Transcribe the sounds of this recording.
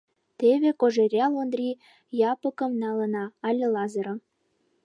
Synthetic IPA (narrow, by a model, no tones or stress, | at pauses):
t̪eβekoʒĕɾʲɑlond̪rʲi | jɑpə̆kə̆mnɑlɤ̆nɑːlʲə̆lɑzəɾɤ̆m